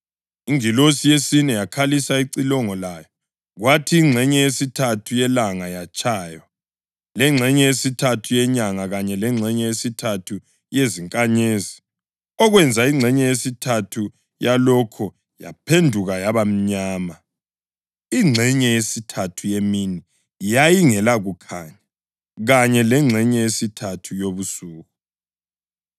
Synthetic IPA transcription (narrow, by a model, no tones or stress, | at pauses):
iŋilosijesinɛjakʰalisaiǀilɔŋɔlajɔ | ɣwatʰiːŋ͡ǀʱɛɲɛjesitʰatʰujɛlaŋajat͡ʃʼaːjɔ | lɛŋ͡ǁʱɛɲɛjesitʰatʰujɛɲaŋaɣaɲɛlɛŋ͡ǁʱɛɲɛjesitʰatʰu | jeziŋkʼaɲeːzi | ɔɣwɛnd͡zʱaiŋ͡ǀʱɛɲɛjesitʰatʰu | jalɔkʰɔ | ja̰pʰendʱuɣajaβam̩ɲaːma | iŋ͡ǀʱɛɲɛjesitʰatʰujemini | jajiŋɛlaɣukʰaɲa | ɣaɲɛlɛŋ͡ǁʱɛɲɛjesitʰatʰujoβusuːɣu